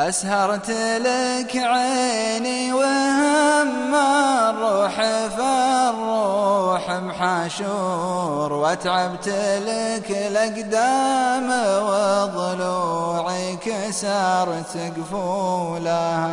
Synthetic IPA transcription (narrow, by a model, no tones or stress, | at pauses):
ʔashɑɾˤt̪lɪkʕeniwɪhɪmːaɾˤuːħɪfaɾˤːuħmħaʃu | ɾwʔat̪ʕabt̪lɪklʔaɡd̪amawɪðˤʊluːʕikasɑɾˤt̪ɪɡfulaha